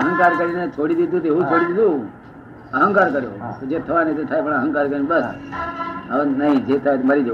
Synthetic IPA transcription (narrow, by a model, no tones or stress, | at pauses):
əɦə̃ŋkaɾkəɾinet͡ʃʰoɽid̪id̪ʱũt̪eɦũt͡ʃʰoɽid̪id̪ũ | əɦə̃ŋkaɾkəɾjo̰d͡ʒet̪ʰəʋanet̪et̪ʰajpəɳəɦə̃ŋkaɾkəɾinbəs | ənəɦĩd͡ʒet̪ʰaeməɾid͡ʒə